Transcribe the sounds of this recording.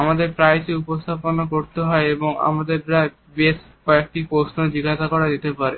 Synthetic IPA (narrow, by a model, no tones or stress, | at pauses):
amad̪eɾpɾajseupost̪ʰaponakoɾt̪eɦɔeeboŋa̰mad̪eɾɾa | beskɔek̚ʈikosnod͡ʑiɡaʃakɔɾad̪it̪epaɾe